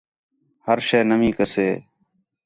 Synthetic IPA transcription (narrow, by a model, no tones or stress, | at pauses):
həɾʃeːnəmĩːkəseː